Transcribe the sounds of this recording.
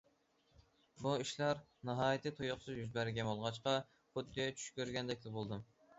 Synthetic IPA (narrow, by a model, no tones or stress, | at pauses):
buiʃlæɾ | nɑɦɑːjɪt̪ʰɪt̪ʰojoχsʰɨzjyzbæɾɪɡʲɛmolˠʁɑt͡ʃqɑ | χʊt̪ːiɛt͡ʃʰy̥ʃkʲøɾɡʲɛnd̪ɛkʲlɪbolˠd̪ɨm